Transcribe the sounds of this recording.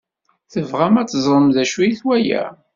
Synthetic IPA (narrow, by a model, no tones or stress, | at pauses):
θəvʁæmæt͡sːzˤɾˤəmðæʃijiθwæjæ̰